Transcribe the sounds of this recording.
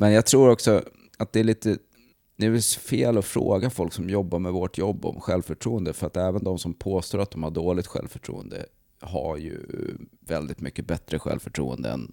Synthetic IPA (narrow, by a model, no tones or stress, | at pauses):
mɛnjaːɡt̪ʰɾuːɾɔksɔ | at̪̚d̪ɛæɭiːt̪ə | d̪ɛfeːlɔfɾo̰ːɡafɔlksɔmjɔbːaɾmɛvɔʈʰjɔbːɔ̰mɧɛlvfœʈʰɾuːənd̪əfœɾat̪ɛːvənd̪ɔmsɔmpʰoːst̪oːɾat̪̚d̪ɔmhaɖoːɭɪɡ̚t̪ɧɛ̰lvfœʈʰɾṵːənd̪ə̰ | ɦa̰ɾjɵ̰vɛld̪ɪt̪mʏkːəbɛt̪ɾəɧɛ̰lvfœʈʰɾṵːə̰nd̪ə̰ɛ̰n